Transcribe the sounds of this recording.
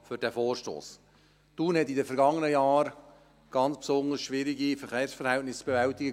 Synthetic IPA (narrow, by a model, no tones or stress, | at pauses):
fʏɾdæfoːɾʃto̰ːs | tuːnhɛtidəfɛɾɡɑŋːənəjɑːɾ | ɡ̥ɑnt͡spsʊnd̪əsʃʋɪːɾiɡifɛɾχeːɾsfəɾhɛltnɪsb̥evɛltɪɡə